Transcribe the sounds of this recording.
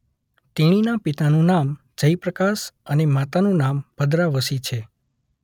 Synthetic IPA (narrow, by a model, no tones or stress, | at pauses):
t̪iɽ̃inapit̪anũnam | d͡ʒəjpɾəkasənemat̪anũnambʱəd̪ɾaʋəsit͡ʃʰe